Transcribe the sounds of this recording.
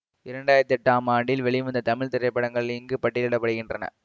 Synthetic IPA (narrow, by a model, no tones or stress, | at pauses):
ɪɾɐɳɖaːjɪɾɐt̪ːɛʈːaːmaːɳɖɪlʋɛɭɪʋɐnd̪ɐt̪ɐmɪɭt̪ɪɾɐɪpːɐɽɐŋɡɐɭɪlɪŋɡɯpɐʈːɪlɪɽɐpːɐɽɯɣɪndrɐnɐ̰